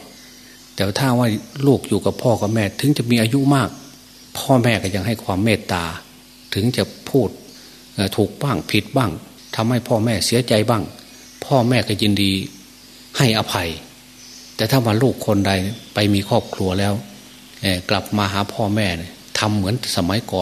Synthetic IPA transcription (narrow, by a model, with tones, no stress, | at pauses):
t̪ɛː˧wa˧t̪ʰaː˧˩˨wa˧˥˩jluː˧˩k̚juː˧˩ka˧˦pʰɔː˧˩ka˧˩mɛː˧˨t̪ʰɯ˨˦ŋt͡ɕa˧˩miː˧ʔaː˧ju˧˨maː˧˥˩k̚ | pʰɔː˧mɛː˧˩ka˧˩ja˧ŋ̚ɦa˧˥˩jkʰwaː˧mːeː˧˩t̪ːaː˧ | t̪ʰɯ˨˦ŋt͡ɕa˧˩ʔpʰuː˧˩t̪̚ | ʔaː˧˩t̪ʰu˨˧˩k̚baː˧˩ŋpʰi˧˦t̪̚baː˧˥˩ŋ | t̪ʰa˧mha˧˩jpʰɔː˧˩mɛː˧˩si˨˦ɐt͡ɕa˧jbaː˧˩ŋ | pʰɔː˧˩˨mɛː˧˩ka˧˩jiː˧ndiː˧ | ha˧˩jʔa˧pʰa˧j | t̪ɛː˧˩t̪ʰa˧˩waː˧luː˧˩kʰːo˧˥˨nda˧˩jpa˧jmiː˧kʰɔː˧˩p̚kʰlu˧ɐlɛː˧˥˨w | ʔɛː˧˩kla˨˧˩p̚maː˧ɦaː˨˦pʰɔː˧˩mɛː˧˩ni˧˩ | t̪ʰa˧mːɯ˩˦ənsa˧ma˨˦jkɔː˨˦